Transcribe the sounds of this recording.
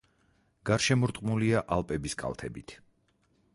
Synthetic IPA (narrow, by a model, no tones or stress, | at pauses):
ɡ̥aɾʃɛmuɾt̪ʼqʼmuliaʔalˠpʼɛbiskʼa̰lˠt̪ʰɛbḭt̪ʰ